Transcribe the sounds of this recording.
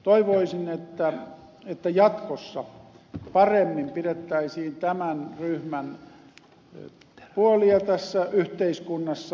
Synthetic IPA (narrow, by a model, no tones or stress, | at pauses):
t̪oiʋoisinet̪ːæ | et̪ːæjɑt̪kosːɑ | pɑremːimpiɾet̪ːæisiːnt̪æmænryhmæn | puoliɑt̪æsːæʔyht̪eiskunːɑsːɑ